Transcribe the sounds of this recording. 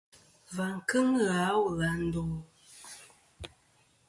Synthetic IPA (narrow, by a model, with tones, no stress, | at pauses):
va˨ŋ̩˨kɨ˦ŋɣa˨˦wɣa˨n̩˦do˨